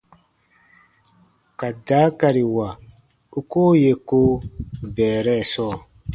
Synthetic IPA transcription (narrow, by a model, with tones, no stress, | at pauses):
ka˨da˨˦ka˨ɾi˨wa˨ | u˦koː˦je˨ko˦bɛː˨ɾɛ˦˨sɔː˦˨